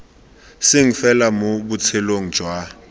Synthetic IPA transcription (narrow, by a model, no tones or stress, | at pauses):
sɪŋ̩fɛlamobut͡sʰɛloŋ̩d͡ʒ̥ʱwa